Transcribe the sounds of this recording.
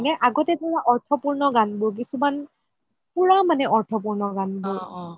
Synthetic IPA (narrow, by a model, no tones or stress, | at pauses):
nɛʔaɡɔtɛtajaʔɔɹtʰɔpuɹnɔɡanbʊɹk̬isuman | puɹamanɛʔɔɹtʰɔp̬uɹnɔɡanbʊɹ